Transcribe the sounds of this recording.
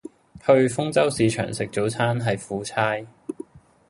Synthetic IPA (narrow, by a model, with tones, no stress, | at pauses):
hɵ˧ɥfʊ˥ŋt͡sɐ˥wsiː˨˧t͡ʃʰœ̰ː˨˩ŋsɪ˨k̚t͡so˨˥wt͡sʰaː˥nɦɐ˨jfuː˨˥t͡sʰaː˥j